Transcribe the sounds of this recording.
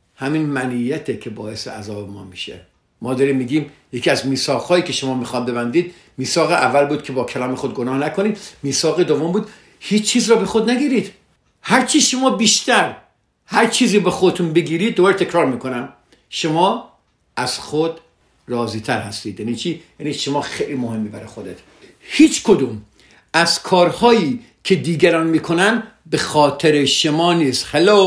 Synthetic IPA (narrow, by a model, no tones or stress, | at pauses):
hæminmænijæt̪ʰekʲʰebɒːe̞sḛæ̰zɒːbemɒːmiʃḛ | mɒːd̪ɒːɾiːmːiːɡiːmjecʰiːæzmiːsɒːɣhɒːjiːkʰe̞ʃomɒːmiːxɒːd̪̚be̞bænd̪iːd̪̚ | miːsɒːɣeʔævːælbuːd̪̚kʰe̞bɒːkʰælɒːmexod̪̚ɡonɒːhnækʰoniːd̪miːsɒːɣed̪ovombuːd̪ | hiːt͡ʃt͡ʃʰːiːzɾɒːbe̞xod̪næɡiːɾiːd̪̥ | hæɾt͡ʃʰiʃo̞mɒːbiːʃt̪æɾ | hæɾt͡ʃʰiːziːbexod̪et̪ʰunbeɡiːɾiːd̪̚ːobɒːɾet̪ʰekʰɾɒːɾmiːkʰo̞næm | ʃomɒː | æz̥xod̪ | ɾɒːziːt̪ʰæɾhæst̪iːd̪jæːniːt͡ʃʰiːjæniːʃomɒːxejliːmohemːibæɾḛxod̪et̪ | hiːt͡ʃkʰod̪uːm | æz̥kʰɒːɾhɒːjiː | kʰe̞d̪iːɡæɾɒːnmiːkʰonæn | bexɒːt̪ʰeɾeʃomɒːniːst̪helo